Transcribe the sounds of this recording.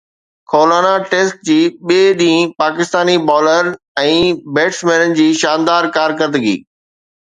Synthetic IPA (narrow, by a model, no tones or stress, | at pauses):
kʰoːlaːnaʈeːsʈ̚d͡ʑiːɓeːɗĩpaːkɪst̪aːnibɔːləɾ | ɛ̃ːbeːʈsmẽːnənɪ̆d͡ʑiːʃãːnd̪aːɾkaːɾk̬əd̪əɡḭː